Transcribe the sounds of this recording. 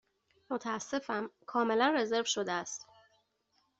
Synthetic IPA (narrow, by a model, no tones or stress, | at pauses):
mo̞t̪ʰæːsːe̞fæmkʰɒːme̞lænre̞ze̞ɾvʃo̞d̪eæst̪